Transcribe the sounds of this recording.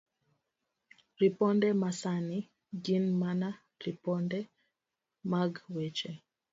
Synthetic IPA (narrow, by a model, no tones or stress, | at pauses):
ɾipɔndɛmasani | ɡinmana | ɾipɔndɛ | maɡwɛt͡ʃɛ